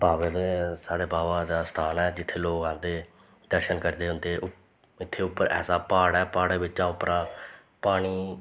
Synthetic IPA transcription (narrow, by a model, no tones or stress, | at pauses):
baːʋeːd̪eːsaːɽeːbaːʋãːd̪aːst̪ʰaːnɛːd͡ʒɪt̪ʰːeːloːkãːnd̪eː | d̪əɾʃənkəɾd̪eːɦʊ̃nd̪eːʔʊ | ɪt̪ʰːeːʊpːəɾɛ̰ːsaːpaːɽɛːpaːɽeːbɪt͡ʃãːʊpːəɾãː | paːɽ̃iː